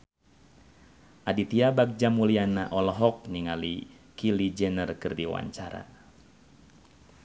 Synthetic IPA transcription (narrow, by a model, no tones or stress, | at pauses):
ʔadit̪iabak̚d͡ʒamulianaʔɔlɔɦɔk̚niŋali | kilid͡ʒɛnərkɨrdiwa̰ɲt͡ʃaɾa̰